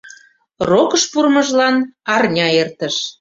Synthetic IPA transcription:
rokəʃpurməʒlɑnɑrnʲɑert̪əʃ

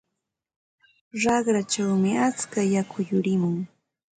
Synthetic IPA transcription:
ɾɑχɾat͡ʃawmɪat͡skajakʰʊjʊɾɪmʊŋ

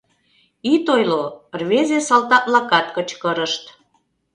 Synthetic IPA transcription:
it̪ojlorβezesɑlt̪ɑt̪lɑkɑt̪kət͡ɕkəɾəʃt̪

